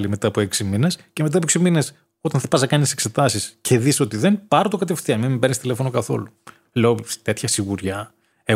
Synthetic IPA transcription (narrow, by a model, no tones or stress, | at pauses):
lime̞t̪ɐːpoeksiminescemet̪ɐpoeksimine̞s | o̞t̪ɐnθɐpɐznɐkɐnisekse̞t̪ɐsiscʰe̞ðiso̞t̪iðenpɐɾot̪okɐt̪efθiɐminmibenist̪ile̞fo̞nokɐθo̞̰lu | le̞ot̪e̞t̪çɐsiɣuɾʝɐ | e